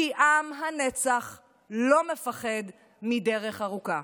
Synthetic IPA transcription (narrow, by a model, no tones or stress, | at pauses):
iʔamɦanet͡saχ | lo̞mefaχed | mideʁeχaʁuka